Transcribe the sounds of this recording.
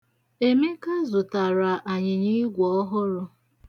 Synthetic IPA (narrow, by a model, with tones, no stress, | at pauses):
e˨me˦ka˦zʊ˨ta˨ɾa˨ʔa˨ɲɪ˨ɲi˦ɡʷɔ˦ɦʊ˦ɾʊ˧